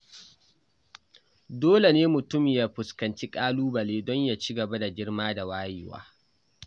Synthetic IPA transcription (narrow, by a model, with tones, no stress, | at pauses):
doː˦le˨neː˦mʊ˨tʊ˦mɪ˨jaː˦ɸʊ˨skɐ˨nt͡ʃi˦kʼaː˦luː˦bɐ˨leː˦dɔ˦ɲjaː˨t͡ʃi˦ɡɐ˨ba˦da˨ɡʲɪ˦rmaː˦da˨waː˦jɪ̰˦wa̰ː˦